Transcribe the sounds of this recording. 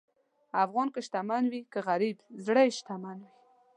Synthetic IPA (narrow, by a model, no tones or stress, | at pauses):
afɣɑnkəʃt̪amanwikəɣaɾibzɽəjʃt̪amanwi